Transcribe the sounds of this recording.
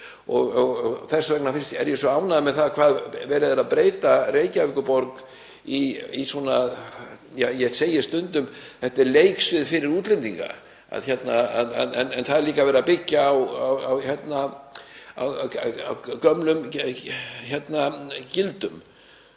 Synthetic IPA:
ɔɣɔɣɔɣθɛsːavɛk̚nafɪnst̪ɛɾjɛsvœaːwnaðmɛðθaðkʰvaːðvɛːɾɪðaɾaðpɾeːjt̪areːjcavɪkʏpɔɾk | iisɔna | jajɛseːjɪst̪ʏnt̪ʏmθɛht̪ɛɾleːjksvɪðfɪɾɪɾuːt̪lɛnt̪iŋka̰ | a̰ðçɛt̪naaɛnɛnθaðɛɾliːkavɛːɾapɪcːaːwawawçɛt̪na | a̰wawcœmlʏm | çɛt̪nacɪlt̪ʏm

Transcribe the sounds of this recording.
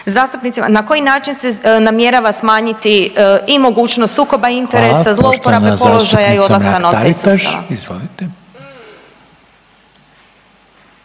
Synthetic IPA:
zaːst̪upnit̪ima̰nako̞jinaːt͡ʃinsenamje̞ɾaʋasmaːɲit̪iimo̞ɡuːt͡ʃnost̪suːko̞baint̪eɾesazlˠo̞upoɾablepo̞lˠoʒajaio̞d̪laskanoeisuːt̪a̰a̰izoʋit̪

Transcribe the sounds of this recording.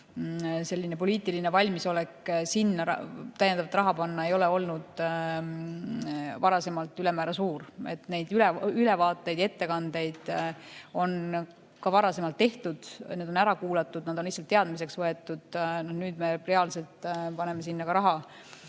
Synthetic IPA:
se̞lʲːine̞po̞liːt̪ˑiline̞vɑlʲmiso̞lekːsinːɑt̪æjend̪ɑvɑt̪ːrɑɦɑpɑnːɑe̞jo̞leo̞lnud̪̥ | vɑɾɑse̞mɑlt̪ˑyle̞mæːɾɑsuːɾe̞̰t̪ne̞jd̪̥yleyle̞vɑːt̪ːˑejd̪̥e̞t̪ːe̞kɑnd̪̥e̞jd̪̥ | o̞n | kɑvɑɾɑse̞mɑlt̪ːe̞ht̪ud̪̥ned̪o̞næɾɑkuːlɑt̪ːˑud̪nɑd̪o̞nlisːɑlt̪ːe̞ɑd̪mise̞ksvɤe̞t̪ːˑud̪̥nonyːd̪me̞reɑlse̞lt̪ˑpɑne̞me̞sinːɑkɑɾɑɦɑ

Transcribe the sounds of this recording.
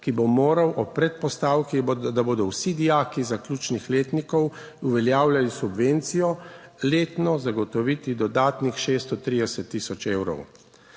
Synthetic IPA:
kibomoːɾawʔɔpɾɛt̪̚pɔst̪aːwkid̪aboːd̪ɔwsid̪ijaːkizaklʲuːt͡ʃnixleːt̪nikɔw | uʋɛljaːwlʲjalisubʋent̪sijɔleːt̪nɔzaɡɔt̪ɔʋiːt̪id̪ɔd̪aːt̪nixʃeːst̪ɔt̪ɾid̪ɛsɛt̪ːisɔt͡ʃeːwɾɔ̰w

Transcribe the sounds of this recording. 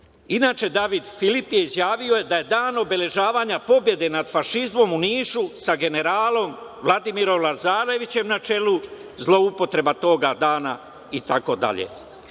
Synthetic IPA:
inaːt͡ʃe̞d̪aʋid̪filipje̞izjaːʋio̞je̞d̪aje̞d̪aːno̞be̞le̞ʒaːʋaːɲapo̞bje̞d̪e̞nad̪faʃizmo̞muniːʃusaɡe̞ne̞ɾaːlo̞mʋlˠad̪imiɾo̞mlˠazaːɾe̞ʋit͡ɕe̞mnat͡ʃe̞luzlˠo̞upo̞t̪ɾe̞bat̪o̞ːɡad̪aːna | it̪ako̞d̪a̰ʎḛ

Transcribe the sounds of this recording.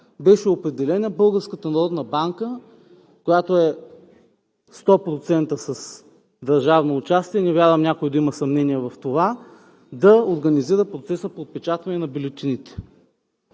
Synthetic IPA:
bɛʃɛopɾɛd̪ɛlɛnəbɤlˠɡəɾskət̪ɐnɐɾɔd̪nɐbaŋkə | kojat̪oɛ | st̪ɔpɾot̪sɛnt̪əsɐs | d̪ɐɾʒavnoːt͡ʃast̪iɛnɛvʲjaɾvɐmnʲakojid̪ɐimɐsɐmnɛniɛvɐft̪ova | d̪ɐoɾɡɐniziɾəpɾot̪sɛsəpot̪̚pɛt͡ʃat̪vɐnɛnɐbilʲot̪init̪ɛ̥

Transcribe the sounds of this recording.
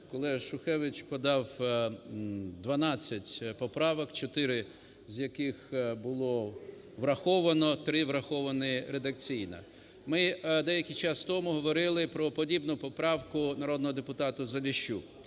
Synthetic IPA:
kɔlˠɛʃʊxɛʋɪt͡ʃpɔd̪ɑw | d̪ʋɐnɑt͡sʲːɐtʲpɔpɾɑʋɔkt͡ʃɔt̪ɪɾɪ | zʲjɐkɪxbʊlˠɔ | ʋɾɐxɔʋɐnɔt̪ɾɪʋɾɐxɔʋɐnɪɾed̪ɐk̚t͡sʲijnɐ̰ | mɪd̪ɛjɐkʲijt͡ʃɑst̪ɔmʊɦɔʋɔɾɪlˠɪpɾɔpɔdʲibnʊpɔpɾɑwkʊnɐɾɔd̪nɔɦɔd̪epʊt̪ɑt̪ʊzɐlʲiʃu

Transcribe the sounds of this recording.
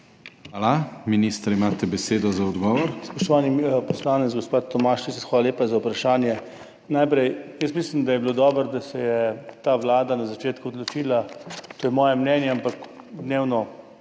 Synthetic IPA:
xʋaːlaminist̪ɾimaːt̪ɛbɛseːd̪ɔzaɔd̪ɡɔʋɔɾspɔʃt̪ɔʋaːnipɔslaːnɛt̪zɡospat̪ːɔmaːʃt͡ʃisxʋaːlaleːpazaupɾaʃaːnjɛ | najpɾɛjjəsmislimd̪ajɛblod̪ɔːbəɾd̪asɛjɛt̪aːʋlaːd̪anazat͡ʃeːt̪kuɔd̪lot͡ʃiːlat̪oːjɛmɔːjɛmnɛːnjɛampak | d̪neːwnɔ

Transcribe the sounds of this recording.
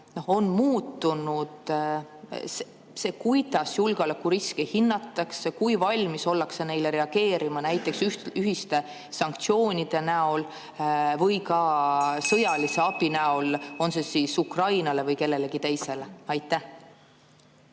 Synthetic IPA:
no̞ho̞nmuːt̪ːˑunud̪̥ | se | se̞kujd̪̥ɑsjulɡ̥olɑkːuɾiskehinːɑt̪ːˑɑksekujvɑlʲmiso̞lːɑksene̞jle̞ɾe̞ɑɡ̥e̞ːɾimɑnæjt̪ːˑe̞ksyhyɦist̪e̞ | sɑŋk̚t̪sio̞ːnʲid̪̥e̞næo̞l | vɤjkɑsɤjɑlise̞ɑb̥inæo̞lo̞nse̞siːsukrɑjnɑle̞vɤjke̞lːe̞le̞ɡ̥it̪e̞jse̞le̞ɑjt̪ːæh

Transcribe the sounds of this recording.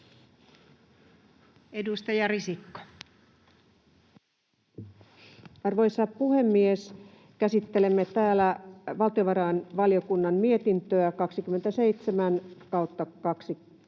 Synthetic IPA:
edust̪ɑjɑrisikːo̥ | ɑrʋo̞jsɑppuhemːies | kæsit̪ːelemːet̪æːlæʋɑlt̪io̞ʋɑɾɑːnʋɑliokunːɑmmie̞t̪int̪øækɑksik̟ymːe̞nt̪æseit̪semænkɑwt̪ːɑkɑksi

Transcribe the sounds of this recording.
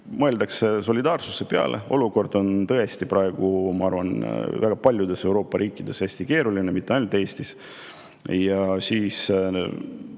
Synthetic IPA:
mɤeld̪ɑkseso̞lʲid̪ɑːrsuse̞peɑ̰lʔe̞̰o̞luko̞rd̪̥o̞nt̪ɤe̞st̪ipɾɑe̞ɡ̥umɑɑrvɑnvæɡ̥ɑpɑlʲjud̪e̞se̞wɾo̞ːpːɑɾʔiːkːˑid̪̥e̞sæsʲt̪ike̞ːɾulinemit̪ːeɑjnult̪ːˑeːst̪is | jɑsiːs

